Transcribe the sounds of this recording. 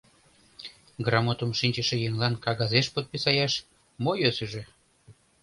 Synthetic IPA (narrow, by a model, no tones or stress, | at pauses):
ɡrɑmot̪əmʃinʲt͡ɕəʃĕjeŋlɑnkɑɣɑzeʃpot̪̚pisɑjɑʃ | mojøsəʒĕ